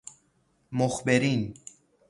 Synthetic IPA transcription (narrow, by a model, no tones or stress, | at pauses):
moxbeɾiːn